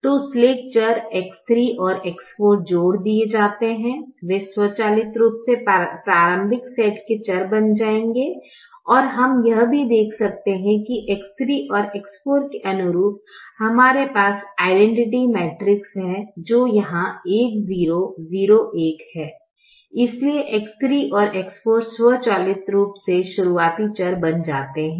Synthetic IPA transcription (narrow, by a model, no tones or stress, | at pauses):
t̪oːsleːk̚t͡ʃəɾeːkst̪ɾiʔɔːɾeːkspoːɾʈ̚d͡ʒoːɽd̪ied͡ʒaːt̪eɦɛ̃ʋeswɔt͡ʃaːlɪt̪ɾuːpsepɾaːɾə̃mbʱɪksɛːʈket͡ʃɐɾbɐnd͡ʒaːẽːŋɡe | ɔːɾɦɐmjɐɦbʱid̪eːkʰsɐk̚t̪eɦɛ̃kiʔeːkst̪ɾiʔɔːɾeːkspoːɾkeʔɐnʊɾuːp̪̚hɐmaːɾepaːsaːɪɖɛ̃ɳʈɪʈimɛːʈɾɪksɦɛ̃d͡ʒoːjɐɦãeːkziːɾoziːɾoʔeːkhɛː | ɪslieʔekst̪ɾiʔɔːɾʔeːkspoːɾswət͡ʃaːlɪt̪ɾuːpseʃʊɾuaːt̪it͡ʃɐɾbɐnd͡ʒaːt̪eɦɛ̃ː